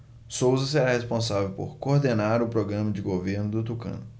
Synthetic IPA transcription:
sowzɐseɾahespõsavewpo̰ɾkoɾd̪enaɾʊpɾoɡɾɐ̃mɐd͡ʒɪɡoveɾnʊd̪ʊt̪ukɐ̰̃nʊ

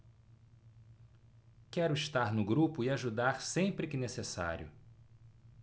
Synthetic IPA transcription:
kɛɾʊiʃt̪aɾnʊɡɾupʊɪaʒud̪aɾsẽmpɾɪkɪnesesa̰ɾjʊ̰

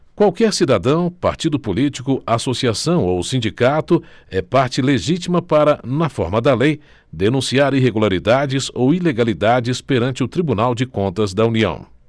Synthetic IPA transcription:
kwawkɛɾsid̪ad̪ɐ̃w̃paɾt͡ʃid̪ʊpolit͡ʃikʊasosiasɐ̃w̃owsĩd͡ʒikat̪ʊɛpaɾt͡ʃɪleʒit͡ʃimɐpaɾɐnɐfɔ̰ɾmɐd̪ɐlej | d̪enũsiaɾiɦeɡulaɾid̪ad͡ʒɪzowileɡalid̪ad͡ʒɪspeɾɐ̃nt͡ʃɪʊt̪ɾibunawd͡ʒɪkõnt̪ɐzd̪ɐuniɐ̰̃w̃

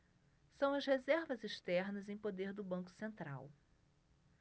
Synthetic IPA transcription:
sɐ̃w̃ɐzhezɛɾvɐzeʃt̪ɛɾnɐzẽj̃pod̪eɾd̪ʊbɐ̃ŋkʊ̥sẽnt̪ɾa̰w

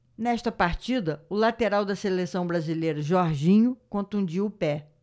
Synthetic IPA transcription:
nɛʃt̪ɐpaɾt͡ʃid̪ɐʊlat̪eɾawd̪ɐselesɐ̃w̃bɾazilejɾɐʒɔɾʒĩɲʊkõt̪ũd͡ʒiʊpɛ

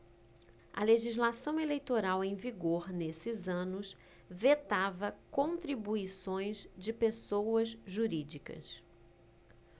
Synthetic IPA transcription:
ɐ̰leʒizlasɐ̃w̃elejt̪oɾawẽj̃viɡoɾnesɪzɐ̃nʊs | vet̪avɐkõt̪ɾibuisõj̃zd͡ʒɪpesowɐzʒuɾid͡ʒikɐ̰s

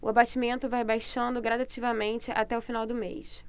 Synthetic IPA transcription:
ʊabat͡ʃimẽnt̪ʊvajbajʃɐ̃nd̪ʊɡɾad̪at͡ʃivɐmẽnt͡ʃɪʔat̪ɛʊfinawd̪ʊmḛjs

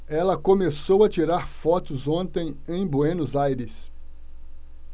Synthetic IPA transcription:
ɛlɐkomesowɐt͡ʃiɾaɾfɔt̪ʊzõnt̪ẽj̃ẽj̃bwenʊzajɾɪs

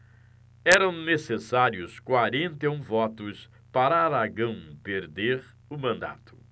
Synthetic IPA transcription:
ɛɾɐ̃w̃nesesaɾjʊskwaɾẽnt̪eũvɔt̪ʊs | paɾaaɾaɡɐ̃w̃peɾd̪eɾ | ʊmɐ̃nd̪a̰t̪ʊ̥

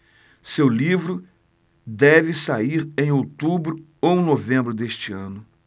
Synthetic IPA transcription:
sewlivɾʊ | d̪ɛvɪsaiɾẽj̃owt̪ubɾʊ | ow̃novẽmbɾʊd̪eʃt͡ʃɪɐ̃nʊ

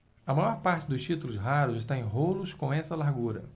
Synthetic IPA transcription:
ɐmajɔɾpaɾt͡ʃɪd̪ʊst͡ʃit̪ulʊzɦaɾʊzɪʃt̪ãẽj̃ɦolʊskõɛsɐlaɾɡuɾɐ̰

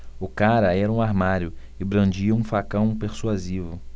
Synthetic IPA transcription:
ʊkaɾɐɛɾɐũaɾmaɾjʊ | ɪbɾɐ̃d͡ʒiɐũfakɐ̃w̃peɾsuazivʊ

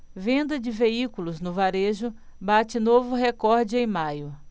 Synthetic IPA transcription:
vẽnd̪ɐd͡ʒɪveikulʊznʊvaɾeʒʊbat͡ʃɪnovʊɦekɔɾd͡ʒɪẽj̃majʊ

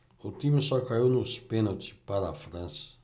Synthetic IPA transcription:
ut̪imusɔkaiwnuspenot̪i̥pad̪afɾɐ̃nsɐ̥

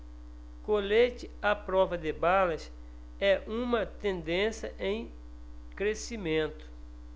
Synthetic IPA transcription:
kolet͡ʃɪapɾɔvɐd̪ɪbalɐs | ɛʔũmɐt̪ẽnd̪ẽsɐʔẽj̃ | kɾesimẽnt̪ʊ̥

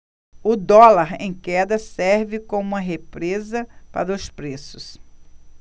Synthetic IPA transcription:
ʊd̪ɔlaɾḛ̃j̃kɛd̪ɐsɛɾvɪkõmũmɐɦepɾezɐpa̰ɾɐʊspɾesʊs

